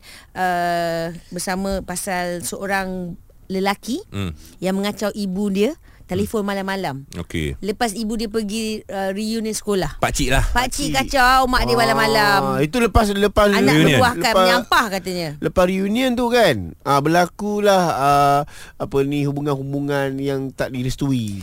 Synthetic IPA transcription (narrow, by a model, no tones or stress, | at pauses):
ʔə | bərsamə̃pasalsəʔoɾaŋ | ləlaki | jaŋmə̃ŋat͡ʃawʔibudiə | t̪elefonmalamːalamo̰kḛləpasibudiəpəɡiərijuniənsə̥kolahpat͡ʃiʔlahpaʔt͡ʃiʔkat͡ʃawmãʔdiəmalamalamit̪uləpas̬ləpasanaəahləaaɲamppahkat̪əɲə̃ləpasɾijuniənt̪ukanabəlakulahəapənĩɦubuŋanhubuŋanjaŋt̪aʔdiɾəst̪ui